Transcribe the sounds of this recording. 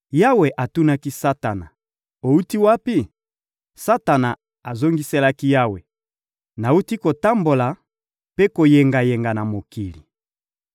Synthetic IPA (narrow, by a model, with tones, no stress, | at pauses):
ja˦we˨ʔa˨tu˦na˦ki˦sa˦ta˨na̰˨ | o˨u˦ti˦wa˦pi˦ | sa˦ta˨na˨ | a˨zo˦ŋɡi˦se˦la˦ki˦ja˦we˨ | na˨u˦ti˦ko˨ta˦mbo˨la˨ | pe˦ko˨je˨ŋɡa˨je˨ŋɡa˨na˨mo˨ki˨li˨